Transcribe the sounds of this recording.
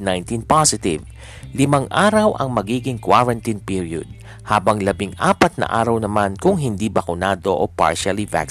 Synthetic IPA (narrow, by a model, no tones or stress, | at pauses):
najnt̪inpasɪt̪ɪv | lɪmaŋʔaːɾɐwʔɐ̰ŋmɐɡiːɡɪŋkwaɹɐnt̪inpiɹjo̰d̪̚ | haːbɐŋlɐbɪŋaːpɐt̪̚nɐ̰ʔa̰ːɾɐwnɐmankʊŋɦɪnd̪iːbɐkʊnaːd̪o̞ʔopa̰ɹʃɐliva̰k